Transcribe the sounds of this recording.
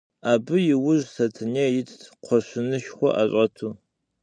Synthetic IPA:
aːbɨjɪwʊʒsɐtʰɨnɛːjɪtʰqʷʰɔɕɪnɨʃxʷɔ̰ʔa̰ɕʷʼɐtʰuː

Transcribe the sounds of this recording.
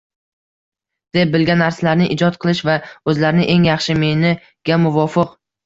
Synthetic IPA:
d̪̥e̞p̚bɪlɡʲanːaɾsalaɾnɪʔɪd͡ʒɒt̪̚qʰɨlˠɪʃvaɵzlaɾɪnɪʔe̞ŋjɑχʃɪmenɪ | ɡ̥ʲamʊvɒfɪq

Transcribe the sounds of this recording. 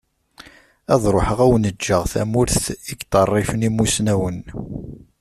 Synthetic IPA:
æðˤɾˤoħəʁæwənəd͡ʒːəʁθæ̰mʊɾθiɡt̪ərˤːɪfənimusnæwən

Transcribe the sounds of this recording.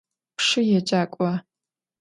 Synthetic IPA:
pʂɨjɛt͡ʃʼaːkʷʼa

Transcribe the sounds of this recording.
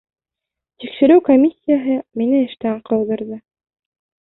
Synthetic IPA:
t̪ikʃɘ̆ɾɘwkomʲisʲːɪjaɦɤminɘɘ̆ʃt̪æqʰɑwðɤ̆ɾðɤ

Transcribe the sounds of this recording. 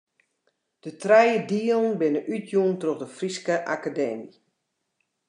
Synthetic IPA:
d̥ətrɛjədiəlˠnbɪnəʔytʰjuəntroχdəfriskəʔa̰kadɛːmi

